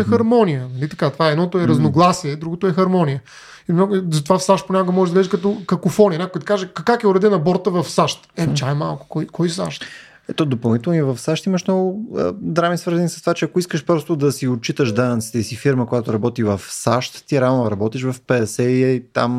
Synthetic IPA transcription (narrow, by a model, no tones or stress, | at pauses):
ɛxɐɾmɔnijənɐlit̪ɐ̥kat̪ovaɛd̪nɔt̪oɛɾɐznoɡlˠasiɛd̪ɾuɡot̪ʊɛxɐɾmɔnijə | imnɔɡzɐt̪ovafsaʃt̪̚ponʲakoɡəmɔʒɛʒd̪ɐɡlɛʒɛkɐt̪ɔkɐkofɔniənʲakoɛd̪ɐkaʒɛkɐkakʲɛʊɾɛd̪ɛnɐbɔɾt̪əvɐfsaʃt̪ɛt͡ʃaɛma̰lˠkʊ̥kɔjkɔjsa̰ʃt̪ | ɛt̪ɔd̪opɐlˠnit̪ɛlˠniɛvɐfsaʃt̪iməʃnɔɡʊəd̪ɾamisvəɾzənisə̥st̪ovat͡ʃɛɐkoiskəʃpɾɔst̪od̪ɐsiot̪̚t͡ʃit̪əʃd̪anət̪si̥t̪ɛisifiɾməkojat̪ʊɾɐbɔt̪ivɐfsaʃt̪ːiɛɾavnɾɐbɔt̪iʃvɐfpɛɛsɛiɛit̪a̰m